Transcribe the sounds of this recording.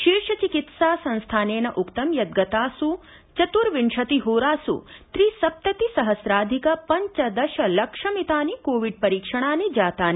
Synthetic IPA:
ʃiːɾʃɐt͡ʃikit̪saːsɐ̃nst̪ʰaːneːnɐʔukt̪ɐmjɐd̪̚ɡɐt̪aːsu | t͡ʃɐt̪uɾʋiɳʃɐt̪iɦoːɾaːsṵt̪ɾisɐp̚t̪ɐt̪isɐɦɐsɾaːd̪ʱikɐpɐɲt͡ʃɐd̪ɐʃɐlɐkʂɐmit̪aːnikoːʋiɖ̚pɐɾiːkʂɐɽ̃aːnid͡ʒaːt̪aːni

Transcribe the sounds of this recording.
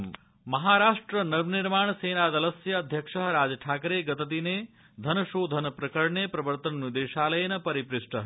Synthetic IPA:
mɐɦaːɾaːʂʈɾɐnɐʋniɾmaːɳseːnaːd̪ɐlɐsjɐːd̪ʱjɐkʂɐɦɐɾaːd͡ʒɐʈʰaːkɾeːɡɐt̪ɐt̪̬ineː | d̪ʱɐnɐʃoːd̪ʱɐnɐpɾɐkɐɾɳeːpɾɐbɐɾt̪ɐnnid̪eːʃaːlɐjɐnɐpɐɾipɾɪʂʈɐɦ

